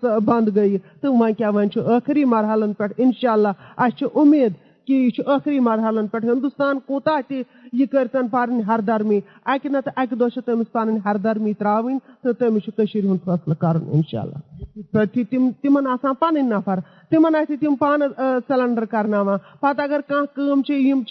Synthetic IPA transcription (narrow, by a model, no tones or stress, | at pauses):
sbɐnd̪ɡɐjt̪ɨʋãːkʲaːʋɐ̃ːnʲt͡ʃʰiʔəːkʰɾiːmɐɾɦɐlɐnpʲɛʈʰinʃaːlːaːɐst͡ʃʰiʔumːeːd̪ | kit͡ʃʰiʔəːxɾiːmɐɾɦɐlɐnpʲɛʈʰɦĩnd̪ust̪aːnkoːt̪aːɦt̪i | jikəɾʲt̪ɐnpaːɾɨnʲɦɐɾd̪ɐɾmiː | ɐkʲinɐt̪ʔɐkʲid̪oːt͡ʃʰit̪ɐmist̪aːnɨnʲɦɐɾd̪ɐɾmiːt̪ɾaːʋɨnʲt̪ɨt̪ɐmit͡ʃʰikəʃiɾiɦunfʰɐslkɐɾɐ̰nḭnʃa̰ːlːa̰ːpʰɐɾt̪ʰit̪imt̪imɐnaːsãːnpanɨnʲːapʰɐɾ | t̪imɐnahʲt̪it̪impaːnɨsɛlɐɳɖɐɾkɐɾnaːʋãːpɐt̪ɐɡɐɾkãːkəːmt͡ʃʰijimʰ